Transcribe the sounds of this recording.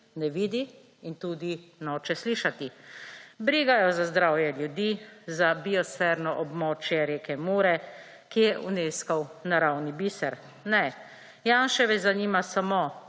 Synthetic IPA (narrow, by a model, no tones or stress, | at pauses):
nɛʋiːd̪i | int̪uːd̪inɔːt͡ʃɛsliːʃat̪i | bɾiːɡajɔzazd̪ɾaːwjɛljud̪izabiɔsɛɾnɔʔɔbmɔːt͡ʃjɛɾeːkɛmoːɾɛ | kijɛʔuneːskawnaɾawnibiːsɛɾ | nɛ | jaːnʃɛʋɛzaniːmasamo